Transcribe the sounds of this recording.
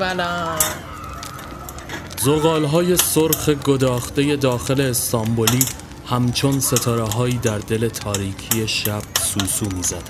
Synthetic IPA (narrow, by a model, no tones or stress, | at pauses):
æla | zoɣɒːlɦɒːje̞soɾxe̞ɡo̞d̪ɒːxtd̪e̞je̞d̪ɒːxe̞leːst̪ɒːmboliː | hæmt͡ʃʰo̞nse̞t̪ʰɒːɾeɦɒːiːd̪æɾd̪e̞le̞t̪ʰɒːɾiːcʰije̞ʃæb̥̚suːsuːmiːzæd̪̥